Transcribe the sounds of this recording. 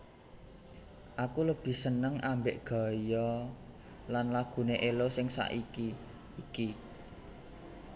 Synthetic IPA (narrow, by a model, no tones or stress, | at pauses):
ʔakuləb̥i̤sənəŋʔambeʔɡ̥a̤jɔ | lanlaɡ̥ṳneʔelosɪŋsa̰ʔiki | iki